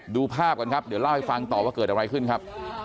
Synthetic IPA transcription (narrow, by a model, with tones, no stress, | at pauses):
duː˧pʰaː˥˩p̚ka˧nkʰa˦˥p̚di˩˦wla˥˩wha˥˩jfa˧ŋt̪ɔː˨˩waː˥˩kɤː˨˩t̪̚ʔa˧ɾa˧jkʰɯ˥˩nkʰa˦˥p̚